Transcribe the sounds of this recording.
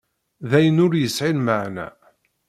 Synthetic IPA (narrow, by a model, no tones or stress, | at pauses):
ðæjənʊɾjəsʕilməʕnæ̰